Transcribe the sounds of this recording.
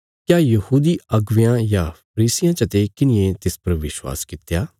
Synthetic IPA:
kjaːjɐhuːd̪iɐɡʋɪjãjapʰɐɾiːsɪjãt͡ʃɐt̪ekɪnɪjẽt̪ɪspɐɾʋɪʃwa̰ːskɪt̪jaː

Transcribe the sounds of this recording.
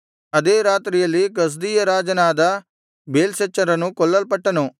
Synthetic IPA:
ɐd̪eːɾaːt̪ɾijɐliɡɐs̬d̪ijɐɾaːd͡ʒɐnaːd̪ɐ | beːlset͡ʃːɐɾɐnũkɔlːɐlpɐʈːɐno

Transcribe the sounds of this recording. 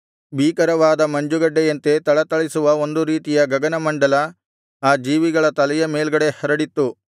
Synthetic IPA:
biːkɐɾɐʋaːd̪ɐmɐɲd͡ʒuɡɐɖːejɐnt̪e̞t̪ɐɭɐt̪ɐɭisuʋɐo̞nd̪uɾiːt̪ijɐɡɐɡɐnɐmɐɳɖɐlɐ | aːd͡ʒiːʋiɡɐɭɐt̪ɐlɛjɐmeːlɡɐɽe̞hɐɾɐɽit̪ːu

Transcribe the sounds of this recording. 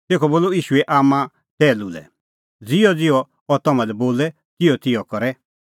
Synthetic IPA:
t̪eːkʰɔboːloiːʃuɛʔaːmã | tɛːlulɛ̰ | d͡zɪɔd͡zɪɔ | ɔt̪ɔmãlɛboːlɛ | kɪjɔt̪ɪjɔkɔɾɛ

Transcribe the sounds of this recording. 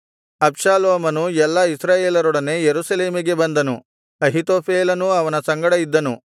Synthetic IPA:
ɐpʂaːloːmɐnujɛlːɐisɾaːjeːlɐɾɔɽɐne̞jeɾusɐleːmiɡe̞bɐnd̪ɐnu | ɐɦit̪oːpʰeːlɐnuɐʋɐnɐsɐŋɡɐɽɐid̪ːɐnu

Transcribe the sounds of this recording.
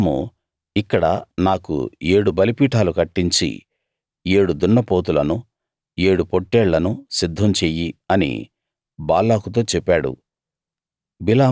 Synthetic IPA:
mṵ | ikːɐɽɐ̰naːkṵeːɽubɐlipiːʈaːlukɐʈːiɲt͡ʃḭ | e̞ːɽud̪uɳːɐpo̞ːt̪̬ulɐnu | eːɽupoʈːɛːɭːɐnusid̪ʱːɐmt͡ʃeːjiɐnḭ | baːlːaːkut̪o̞ːt͡ʃɛpːaːɽṵ | bilaː

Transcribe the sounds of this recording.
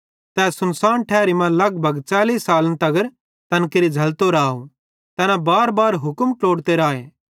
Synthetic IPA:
t̪ɛːsʊnsaːnʈʰɛːɾimãlɐɡ̚bʱɐɡt͡ʃaːliːsaːlnt̪ɐɡəɾ | t̪ɐnkəɾid͡ʒʱɐlt̪oɾaːo | t̪ɛːnabaːɾbaːɾɦʊkəmkloːɽt̪eɾaːeː

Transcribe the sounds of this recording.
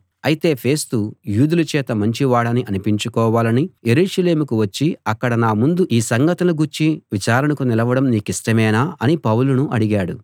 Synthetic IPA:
ɐjit̪e̞ːpʰe̞ːst̪ujuːd̪ulɐt͡ʃɛːt̪ɐmɐɲt͡ʃiʋaːɽɐniʔɐnipiɲt͡ʃukɔːʋaːlɐnije̞ɾuːʂɐle̞ːmukuʋɐt͡ʃːiɐkːɐɽɐnaːmund̪uʔiːsɐŋɡɐt̪ɐnuɡuɾt͡ʃːiʋit͡ʃaːɾɐnɐkunilɐʋɐɽɐmniːkisʈɐmɛːnaːɐnipɐwlunuʔɐɽiɡaːɽu

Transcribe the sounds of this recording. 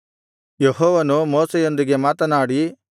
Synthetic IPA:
jeɦɔːʋɐnumoːsejo̞nd̪iɡe̞maːt̪ɐnaːɽi

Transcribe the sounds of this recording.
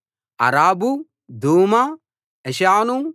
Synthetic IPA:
ɐ̰ɾaːbu | d̪uːma | ɛʃaːnu

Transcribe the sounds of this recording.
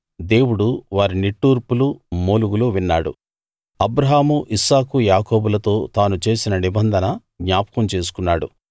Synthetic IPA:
d̪e̞ːwuɽuʋaːɾiniʈːuːɾpulumuːluɡuluʋinːaːɽṵ | ɐbɾɐɦaːmuʔisaːkujaːko̞ːbulɐt̪o̞ːt̪aːnut͡ʃe̞ːsinɐnibɐnd̪ʱɐnɐ | ɡɲaːpɐ̥kɐmt͡ʃe̞ːs̬u̥kunːaːɽṵ

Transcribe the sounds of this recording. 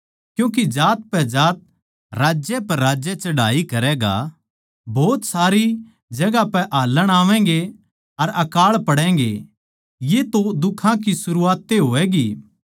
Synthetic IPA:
kjũːk̬id͡ʒaːt̪̚pɛd͡ʒaːt̪̚ | ɾaːd͡ʒjɛpɐɾaːd͡ʒjɛt͡ʃɐɽaːikɐɾɛːɡa̰ | boːt̪saːɾi | d͡ʒɐɡapɛʔaːlːəɽ̃aːʋɛ̃ɡe | ɐɾɐkaːɭpɐɽɛ̃ːɡḛ | jet̪od̪ʊkʰãk̬isʊɾuaːt̪ːeɦoːɛːɡiː

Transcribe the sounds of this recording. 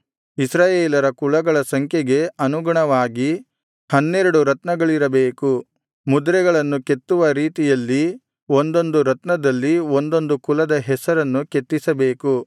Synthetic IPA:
isɾaːjeːlɐɾɐkulɐɡɐɭɐsɐŋkʰjeɡe̞ɐnuɡɐɳɐʋaːɡi | hɐnːɛɾɐɽuɾɐt̪nɐɡɐɭiɾɐbeːku | mud̪ɾɛɡɐɭɐnːuket̪ːuʋɐɾiːt̪ijɐlːi | o̞nd̪o̞nd̪uɾɐt̪nɐd̪ɐlːio̞nd̪o̞nd̪ukulɐd̪ɐɦɛsɐɾɐnːuke̞t̪ːisɐbe̞ːku

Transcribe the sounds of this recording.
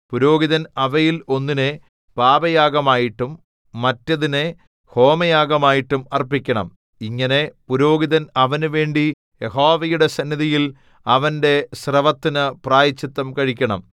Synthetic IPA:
puɾo̞ːɡiðɐnɐʋɐjilo̞nːine | paːbɐjaːɡɐmaːjiʈːumː | ɐtːɐðine | ho̞ːmɐjaːɡɐmaːjiʈːumɐrpikʲːɐɳɐ̰m | iŋːɐne̞puɾo̞ːɡiðɐnɐʋɐnuʋe̞ːɳɖi | je̞ɦo̞ːʋɐjuɽe̞sɐnːiðijil | ɐʋɐnde̞srɐʋɐt̪ːinɨpraːjit͡ɕːit̪ːɐmkɐɻikʲːɐɳɐ̰m

